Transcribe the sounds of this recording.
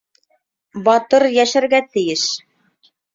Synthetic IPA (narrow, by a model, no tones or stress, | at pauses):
bɑt̪ɤɾjæʃæɾɡæt̪ɘ̆jɘʃ